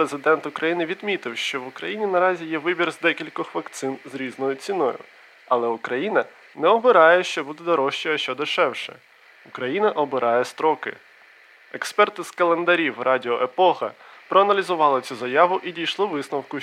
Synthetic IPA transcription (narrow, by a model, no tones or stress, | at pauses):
pɾezɪd̪ɛnt̪ʊkɾʔɐjinɪʋʲid̪mʲit̪ɪwʃt͡ʃɔʋʊkɾɐ̰jinʲinɐɾɑzʲijɛʋɪbʲirzd̪ɛkʲilʲkɔxʋɐkt̪sɪnzɾʲiznɔjʊt͡sʲinɔjʊ̰ | ɐlˠɛʊkɾɐjinɐ | nɛɔbɪɾɑjʊʃt͡ʃɔbud̪ɛd̪ɔɾɔʃt͡ʃɪjɐʃt͡ʃɔd̪ɪʃɛwʃɛ̰ | ʊkɾɐjinɐʔɔbɪɾʔɑjɛst̪ɾɔkɪ̰ | ɛkspɛrt̪ɪzkɐlˠend̪ɐɾʲiwrʔɑdʲɪɔʔepɔxɐpɾɔɐnɐlʲizʊʋɑlˠɪt͡sʲuzɐjɑʋʊʔidʲijʃlˠɔʋɪsnɐwkʊ